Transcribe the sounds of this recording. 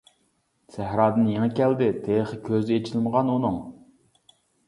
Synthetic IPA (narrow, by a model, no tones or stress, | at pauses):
sæɦɾɑːd̪ɨnjeŋɛkʲɛld̪ɪt̪ʰeχɨkʲʰøzɪet͡ʃʰilməʁɑnunɨŋ